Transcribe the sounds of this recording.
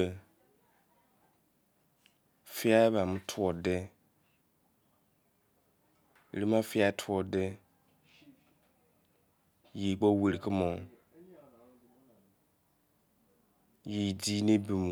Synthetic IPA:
fi˦a˦ba˨mu˦tʰu˨ɔ˨dɛ˦˨ | ɾi˦ma˦fi˦a˦tʰu˨ɔ˨dɛ˦ | ji˨k͡pɔ˦we˨ɾi˨kɨ˦mɔ˨˦ | ji˨di˦ne˦bi˨m˨

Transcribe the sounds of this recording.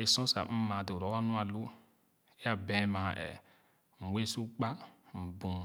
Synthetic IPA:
e˨sɔ̃˦sa̰˨m̩˦mã˨do˨ɾɔ˨˦wa˦nũ˦a˨lu˦ | e˦a˨bɛ̃˨˦mã˨ɛ̰˨ | m̩˨we˦su˦k͡pa˦m̩˨bũ˨

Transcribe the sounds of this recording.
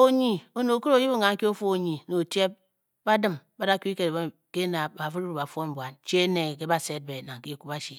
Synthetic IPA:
o˨ɲi˨o˨no˨ku˦o˨˦ji˦bŋa˨ŋ̩˦ki˦o˦fo˦o˨ɲi˨no˨tje˦p̚ | ba˦dɨ˦mba˦da˦kʲu˦i˦ke˨dbe˦ | ke˦na˨ba˨fu˦ɾbu˨ba˨fo˦m̩˨bwa˨nt͡ʃe˦ne˨ke˦ba˦se˦t̚be˨na˨ŋ̩˨ki˦˨ku˦ba˦ʃi˨

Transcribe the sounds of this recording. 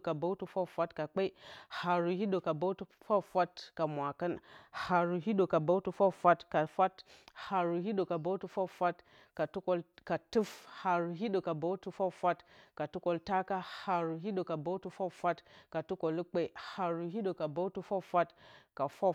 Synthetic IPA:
ka˨ba˦tu˦fa˦fa˦tka˨k͡pa˦i˦ha˨ɾu˨hi˦ɗo˨ka˨ba˦tu˦fa˦fa˦tka˨mʷa˨ka˦nha˨ɾu˨ɦi˦ɗo˨ka˨ba˦wtu˨fa˦fa˦tka˨fa˦tha˨ɾu˨ɦi˦o˨ka˨ba˦tu˨fa˦fʷa˦t | ka˨tu˦ko˦lka˨tu˦fha˨ɾu˨ɦi˦ɗo˨ka˨ba˦wtu˦fa˦fʷa˦tka˨tu˦ko˨lta˦ka˦ha˨ɾu˨ɦi˦ɗo˨ka˨ba˦wtu˨˦fa˦fa˦tka˨tu˦ko˨lə˦k͡pe˦i˦ha˨ɾu˨ɦi˦ɗo˨ka˨ba˦wtu˦fa˦fa˦tka˨fa˦

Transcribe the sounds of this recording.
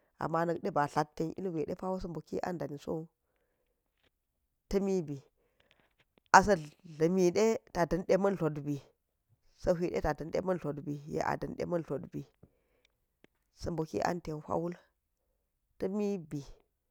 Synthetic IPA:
ʔa̰˨mːa˦nɐ˨kɗe˦ba˨ɬa˦tːe˦nʔḭ˦lwe˨ɗḛ˦pa˦wo˦sɐ˦mbo˨ki˦ʔa̰˦nda˨ni˨so̰˦ | tɐ˦mi˦bi˨ | ʔa˨s̬ɐ˦ɮɐ˨mi˨ɗe˦ta˨dɐ˨nɗe˦mɐ˦nɬo˨dbi˨ | sə˦ɦi˨ɗḛ˦ta˨də˨nɗḛ˦mɐ˦nɬo˨dbi˨jḛ˦ʔa̰˨dɐ˨nɗḛ˦mɐ˦nɬo˨dbi˨ | sɐ˨mbo˨kḭ˦ʔa̰˦nte˨nhʷa̰˦wu˦l | tɐ˦mi˦bi˨

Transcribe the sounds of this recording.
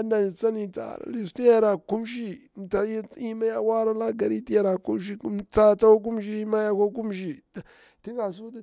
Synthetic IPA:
a˦nda˨i˨t͡sa˦ni˨t͡sa̰˨ɾa̰˨li˨sti˦ja˦ɾa˨ku˦mʃ̬i˦˨ta˨˦i˦ma˦ja˦wa˦ɾa˦la˦ɡa˨ɾi˦ti˦ja˨ɾa˨ku˦mʃ̬i˦t͡sa˦˨t͡sa˦wa˦k̬u˦m˦ʃi˦i˦ma˦ja˦ko˦k̬u˦mʃ̬i˦˨ | a˨ | ti˦ŋɡa˨s̬u˦t

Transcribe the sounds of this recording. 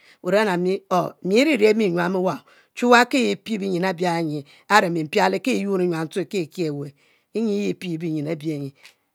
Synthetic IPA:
u˨ɾa˦na˨mi˦o˨˦mi˨˦ɾi˦ɾe˦mi˦˨ɲwa˨mi˦wa˨ | t͡ʃu˦wa˦ke˦ji˨pi˦bi˦ɲi˨na˨˦bja˦˨ɲi˨ | a˦ɾe˨mi˨m̩˨pa˦li˦ke˦˨ju˦ni˨ɲʷ˨a˨n̩˦tu˦i˨ke˦˨ke˨we˨ | i˦ɲi˦ji˦pi˦˨bi˦ɲi˨na˨˦bi˨e˨ɲi˨

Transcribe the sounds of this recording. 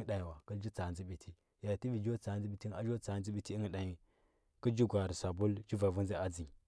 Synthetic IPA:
ɗa˨ɲi˨wa˨ki˦ld͡ʒi˦t͡sa˨zi˦bi˨tʰi˦ | ja˨ti˦vi˨d͡ʒo˦t͡sa˨˦nd͡zi˦bi˨ti˦na̰˦d͡ʒo˦t͡sa˨˦zi˦bi˨ti˦i˦ŋ˨ɗa˨ɲi˨ | ki˦d͡ʒi˦ɡʷa˨ɾi˨sa˨bu˦ld͡ʒi˦va˨vu˦nzi˦a˦d͡zi˨

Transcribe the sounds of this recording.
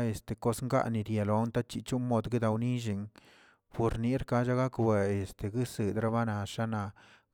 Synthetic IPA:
e˨st̪e˨ko˦sŋɡa̰˦ʔni˨ɾje˨lo˨˦nt̪a˦t͡ʃi˧˨t͡ʃu˦mo˧d̪ɡi˦d̪a˧wni˦ʒ̬i˧ŋ | pu˧ɾni˦ɾka˦d͡ʒa˦ɡa˦kwe˧e˨st̪e˨ɡi˦sɨ˨d̪ɾa˦βa˦na˨ʃa˦na˧

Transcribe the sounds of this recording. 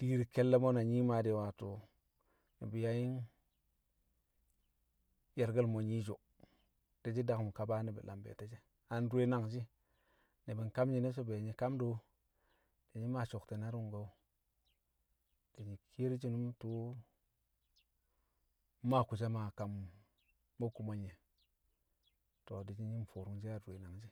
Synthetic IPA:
d̥i˦ɾi˨ke˦lːe˦mo˦na˨ɲi˦ma˨de˨wa˨to˨ | nḭ˨bi˨ja˨ji˦n | je˨ɾɡə˦lmo˨ɲi˦d͡ʒo˨ | d̥e˨d͡ʒi˦da˨kmu˨ka˨ba˦ni˨bḭ˨lʔa̰˨mbḛ˨te˦d͡ʒe˦ | a˨n˦du˦e˦na˦ŋd͡ʒi˦ | ne˨bi˨n˨ka˦mɲi˨ne˦so˦be˨ɲi˨ka˦mdo˦ | d̥e˨ɲi˦ma˦˨t͡ʃo˨kte˨na˦ɾu˦ŋɡa˨˦ | d̥e˨ɲi˨kʰi˦ɾd͡ʒi˦nu˦mtu˦ | ma˦˨ku˨t͡ʃa˦ma˨ka˨mː | o˦ku˨ma˨ɲe˨ | to˨di˨d͡ʒi˦ɲi˦m˨fo˨ɾu˨ŋd͡ʒi˦a˦˨de˨na˨ŋd͡ʒi˦

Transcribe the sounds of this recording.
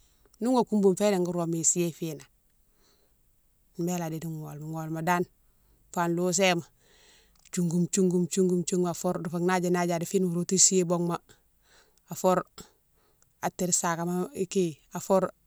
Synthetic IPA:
nu˦ŋo˨ku˦mbu˦mfe˦ɾe˨ŋɡu˦ɾo˨mi˨si˦e˦fi˦na˨ | mbe˦la˨di˨di˦ŋ˨ŋo̰˨lma˨ŋo˨lma˨da˦n | fa˨nlu˦s̬e˦ma˨ | t͡ʃu˨ŋɡu˨mt͡ʃu˦ŋɡu˦mt͡ʃu˦ŋɡu˦mt͡ʃu˦ŋa˨fo˦ɾdu˨fa˨ŋna˦d͡ʒa˨na˦ɟa˨di˨fi˦nmu˨ɾu˦ti˦si˦e˦bo˦ŋma˦ | a˨fo˦ɾ | a˨tːi˨ɾsa˨ka˨ma˦ki˦ | a˨fo˦ɾ

